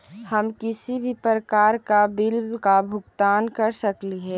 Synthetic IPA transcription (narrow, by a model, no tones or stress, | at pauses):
həmkɪsibʱipɾəkaːɾkabɪlbkabʱʊɡt̪aːnkəɾsəkliɦɛː